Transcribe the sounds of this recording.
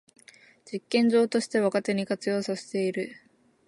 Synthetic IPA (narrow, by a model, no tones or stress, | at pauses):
d͡ʑikːẽ̞ɲ̟d͡ʑo̞ːt̪o̞ɕi̥t̪e̞βakat̪e̞ɲ̟ikat͡sɨjo̞ːsaɕi̥t̪e̞iɾɯ̟